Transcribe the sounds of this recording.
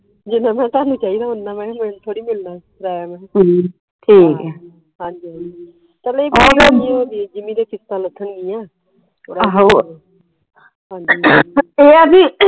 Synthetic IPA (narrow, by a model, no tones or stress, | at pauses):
d͡ʒiːnãːmɛ̃ːt̪aːnũːt͡ʃaːɦiːd̪aːɦʊnːaːmɛ̃ːmɛ̃ːnt̪ʰoːɽiːmɪlnãːtɾaːjaːmɛ̃ː | ʈʰiːkː | ɦãːɲd͡ʒiːɦãd͡ʒiː | t̪əleːbiomioːd̪iːd͡ʒɪmiːd̪eːkɪst̪ãːlət̪ʰːənɡiːãː | t̪ʰoːɽaɦ | ɦãːɲd͡ʒiːeːədiː